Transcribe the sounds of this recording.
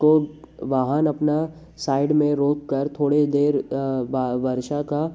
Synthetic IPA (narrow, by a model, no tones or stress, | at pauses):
ko | ʋaːɦanɐpna | saːɪɖmẽɾoːkːɐɾt̪ʰoːɽed̪eːɾʋaʋɐɾʃaka